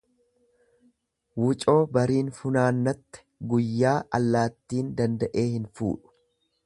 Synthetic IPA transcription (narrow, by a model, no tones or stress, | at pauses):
wʊt͡ʃʼo̞ːbɐɾiːnfʊnaːnːɐt̪ːɛ̥ɡʊjːaːʔɐ̰lːaːt̪ːiːnd̪ɐnd̪ɐʔe̞ːhɪnfṵːᶑʊ̥